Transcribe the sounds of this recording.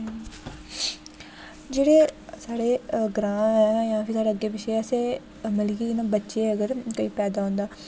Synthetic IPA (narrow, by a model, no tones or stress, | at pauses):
d͡ʒeːɽeːsaːɽeːɡɾãːɛːjãːpʰɪɾsaːɽeəɡːeːbɪʃeːəseː | mɪlkiːnãːbətːʃeːəɡəɾkoiːpɛːd̪aːɦõːnd̪aː